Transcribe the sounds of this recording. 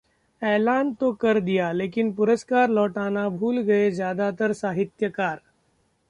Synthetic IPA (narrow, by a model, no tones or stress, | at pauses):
ɛːlaːnt̪okɐɾd̪ijaleːkɪnpʊɾəskaːɾlɔːʈaːnabʱuːlɡɐezjaːd̪at̪əɾsaːɦɪt̪jəkaːɾ